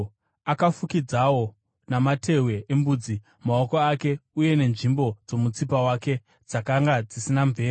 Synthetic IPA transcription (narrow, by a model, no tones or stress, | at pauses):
akafukid͡zawo̞ | namatʰe̞we̞ʔembuːd͡zi | mao̞koake̞uje̞ne̞nʐimbo̞d͡zo̞mut͡sipawake̞ | d͡zakaŋɡad͡zisinaɱveː